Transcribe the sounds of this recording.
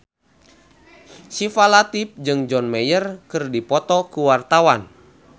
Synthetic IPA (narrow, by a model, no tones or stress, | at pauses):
sifalat̪ip̚d͡ʒɨŋd͡ʒɔnmɛjərkɨrdipɔt̪ɔkuwart̪awan